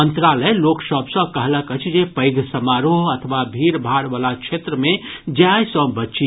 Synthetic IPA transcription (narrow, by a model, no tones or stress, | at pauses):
ənt̪ɾaləeloksəbʱsə̃kəɦləkət͡ʃʰd͡ʒepəɪd̪ʱsəmaɾoɦət̪ʰəʋabʱiɾbʱaɽʋalat͡ʃʰet̪ɾəmẽd͡ʒjajsə̃bətːt͡ʃi